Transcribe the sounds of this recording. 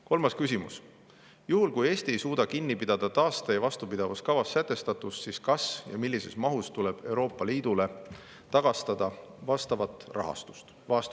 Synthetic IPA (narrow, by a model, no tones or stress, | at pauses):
ko̞lmɑskysʲimus | juɦulkuje̞ːst̪ie̞jsuːd̪̥ɑkinːipid̪̥ɑd̪̥ɑt̪ɑːst̪ejvɑst̪upid̪̥ɑvɑskɑvɑsːæt̪ːˑe̞st̪ɑt̪ˑussiskɑsjɑ̰milːise̞smɑɦust̪ule̞b̥e̞wɾo̞ːpːˑɑliːd̪̥ule | t̪ɑɡ̥ɑst̪ɑd̪̥ɑvɑst̪ɑvɑt̪rʔɑ̰ɦɑ̰st̪u̥st̪ | vɑːst̪